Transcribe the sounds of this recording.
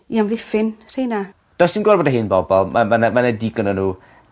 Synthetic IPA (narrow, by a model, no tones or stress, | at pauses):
iamvɪfɪnr̥ejna | d̥ɔwsinɡwarboːdaɦɨnbɔbɔlˠmamanamanadiɡənɔnuː